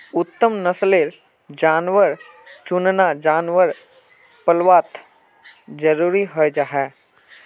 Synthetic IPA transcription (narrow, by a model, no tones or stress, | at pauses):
ʊt̪ːəmnəsleːɾ | d͡ʒaːnʋəɾ | t͡ʃʊnnad͡ʒaːnʋəɾ | pəlʋaːt̪ | d͡ʒəɾuːɾiɦod͡ʒaɦɛː